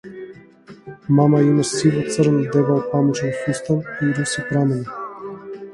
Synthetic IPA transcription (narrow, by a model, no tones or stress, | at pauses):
mamaimasivɔt̪səɾnɔd̪ɛvalpamuʃɛnsust̪amiɾusipɾamɛl